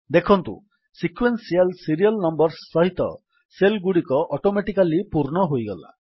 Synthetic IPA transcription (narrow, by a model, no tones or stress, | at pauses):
d̪ekʰɔnt̪ṵ | sikʰwensialsiɾiɔlnɔmbɔɾsːɔɦit̪ɔ̰ | selɡuɽikɔʔɔʈomeʈikalipuɾɳɔɦojɡɔla̰